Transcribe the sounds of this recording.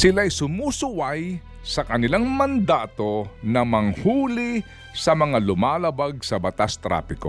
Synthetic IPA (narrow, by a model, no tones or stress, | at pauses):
sɪlaɐjsʊmusʊwaj | sɐkɐnɪlaŋmɐnd̪aːt̪o̞nɐmɐŋhuːlɪ | sɐmɐŋalʊmaːlɐbaɡ̚sɐbɐt̪ast̪ɾa̰ːpɪko